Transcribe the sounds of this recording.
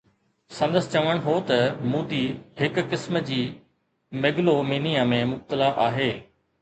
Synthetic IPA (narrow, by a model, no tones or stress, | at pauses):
sɐ̃nd̪əst͡ɕɐʋəɽ̃ɦoːt̪ɐmuːd̪iɦɪkːɪsməd͡ʑiː | meɡlomiːnijãmẽmʊb̚t̪əlaʔaːɦeː